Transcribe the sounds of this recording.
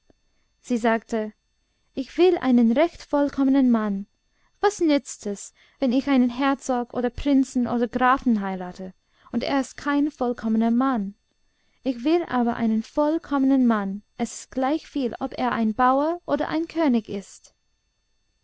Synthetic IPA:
z̥iːzaːktʰə | ʔɪçv̥ɪlʔa̰ɪnənʁɛçtfɔlkʰɔmənənman | vasnʏt͡stʰɛs | vɛnɪçaɪnənɦɛɐt͡sɔɡʔo̰ːdɐpʁ̥ɪnt͡sn̩ʔoːdɐɡʁaːfn̩ɦaɪʁaːtʰə | ʊntḛːɐɪstkʰaɪnfɔlkʰɔmənɐman | ɪçv̥ɪlʔa̰ːbɐʔa̰ɪnənfɔlkʰɔmənənmanʔɛsɪ̥st̚ɡ̥laɪçfiːlɔpḛːɐʔa̰ɪnbaʊɐʔoːdɐ̰ʔa̰ɪnkʰøːnɪçɪst

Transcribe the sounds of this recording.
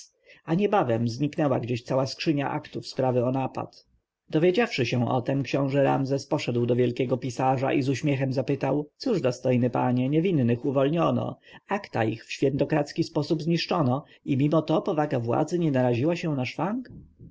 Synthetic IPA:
aɲɛbavɛmzɲiknɛwaɡd͡ʑeɕt̪sawaskʂɘɲa̰ʔakt̪ufspɾavɘɔnapa̰t̪ | d̪ɔvʲjed͡ʑafʂɘɕɛ̃ɔ̰t̪ɛmkɕɔ̃w̃ʐɛɾa̰mzɛspɔʂɛd̪wd̪ɔvʲjɛlkʲɛɡɔpʲisaʐa̰ʔizuɕmʲjɛxɛmzapɘt̪awt̪suʐd̪ɔst̪ɔjnɘpaɲɛɲɛvʲinːɘxuvɔlɲɔnɔ̰akt̪a̰ḭxfɕfʲjɛ̃nt̪ɔkɾat̪skʲispɔsubzɲiʂt͡ʂɔnɔ | imʲimɔt̪ɔpɔvaɡavwa̰d̪zɘɲɛnaɾaʑiwaɕɛ̃naʂfaŋk

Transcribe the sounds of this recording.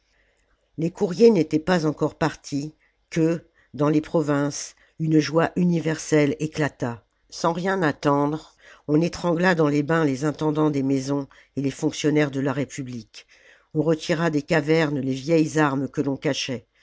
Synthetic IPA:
lekʰuʁjenet̪ɛpazɑ̃kɔʁpaʁt̪ʰi | kə | d̪ɑ̃lepχɔvɛ̃s | ynʒwaʔynivɛʁsɛleklat̪a | sɑ̃ʁjɛ̃nat̪ɑ̃d̪ʁ | ɔ̃net̪χɑ̃ɡlad̪ɑ̃lebɛ̃lezɛ̃t̪ɑ̃d̪ɑ̃d̪emezɔ̃ | elefɔ̃ksjɔnɛʁd̪əlaʁepyblik | ɔ̃ʁət̪ʰiʁad̪ekavɛʁnlevjɛjzaʁmkəlɔ̃kaʃɛ

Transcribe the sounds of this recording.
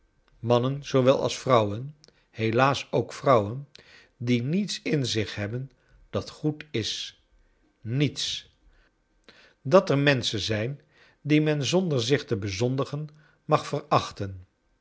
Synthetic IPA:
mɑnənz̥oʋɛlˠʔɑ̰lˠsfrʌwən | helaːsowkfrʌwən | dinitsɪnzɪχɦɛbən | d̥ɑtχutɪs | nits | dɑtɛɹmɛnsənzɛjn | dimɛnzɔndəɹzɪχtəbəzɔndəχən | mɑχfərɑχtən

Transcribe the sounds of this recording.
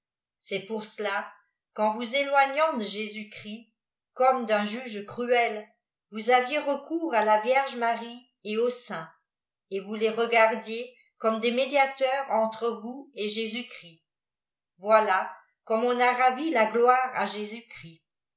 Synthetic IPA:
sɛpuʁsəla | kɑ̃vuzelwaɲɑ̃d̪əʒezykχi | kɔmd̪ɛ̃ʒyʒkχyɛl | vuzavjeʁəkʰuːʁalavjɛʁʒmaʁi | eosɛ̃ | evuleʁəɡaʁd̪je | kɔmd̪emed̪jat̪œʁɑ̃t̪χəvueʒezykχi | vwala | kɔmɔ̃naʁavilaɡlwaːʁa̰ʒezykχi

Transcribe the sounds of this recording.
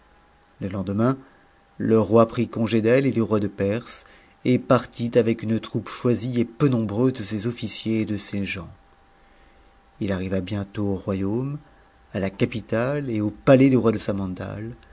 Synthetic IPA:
ləlɑ̃d̪əmɛ̃ | ləʁwapχikɔ̃ʒed̪ɛled̪yʁwad̪əpɛʁs | epaʁt̪it̪avɛkynt̪χupʃwaziepønɔ̃bʁøzd̪əsezɔfisjeːd̪əseʒɑ̃ | ilaʁivabjɛ̃t̪oːʁwajom | alakapit̪aleopalɛd̪yʁwad̪əsamɑ̃d̪a̰l

